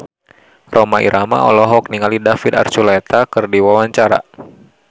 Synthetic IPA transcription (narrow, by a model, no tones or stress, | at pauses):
rɔmaḭɾʔama̰ʔɔ̰lɔɦɔk̚niŋalidafid̪a̰rt͡ʃulɛt̪akɨrdiwawaɲt͡ʃaɾa̰